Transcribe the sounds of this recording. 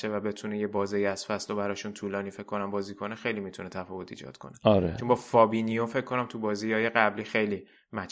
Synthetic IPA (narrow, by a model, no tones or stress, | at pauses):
evæbe̞t̪ʰuneje̞bɒːzejiæz̥fæslobæɾɒːʃunt̪ʰuːlɒːniːfe̞kʰːo̞næmbɒːziːkʰonexe̞jlimit̪ʰunet̪ʰæfɒːvo̞t̪ʰḭːd͡ʒɒ̰ːd̪̥kʰoneɒɾḛt͡ʃombɒːfɒːbinijofe̞kʰːo̞næmt̪ʰubɒːzijɒːje̞ɣæbliːxe̞jliː | mæt͡ʃ